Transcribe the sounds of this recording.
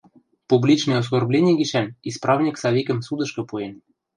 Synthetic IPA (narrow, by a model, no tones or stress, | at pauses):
publʲit͡ɕnɤjos̬korblʲenʲiɡiʃænisprɑvnʲiksɑβʲikə̆msud̪ɤ̆ʃkɤ̆puen